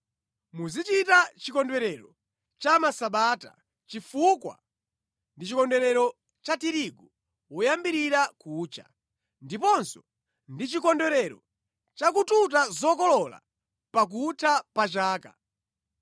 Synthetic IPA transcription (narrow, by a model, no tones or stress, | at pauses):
muzit͡ʃitat͡ʃikɔndɛɾɛɾɔ | t͡ʃamasaɓaːta̰ | t͡ʃifukwa̰ | ndit͡ʃikɔndɛɾɛɾɔ | t͡ʃatiɾiɡɔ | wɔjambiɾiɾakuːt͡ʃa̰ | ndipɔnsɔ̥ | ndit͡ʃikɔndɛɾɛɾɔ | t͡ʃakututazɔkɔlɔla̰ | pak̬utʰapat͡ʃaːka̰